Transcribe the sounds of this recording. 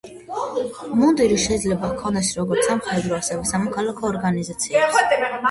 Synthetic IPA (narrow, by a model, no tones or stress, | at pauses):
mund̪iɾiʃɛid̪zlɛbakʰɔnd̪ɛsɾɔɡɔɾt̪samχɾɛd̪ɾɔasɛvɛsamɔkʰalakʰɔːɾɡanizat̪sʰia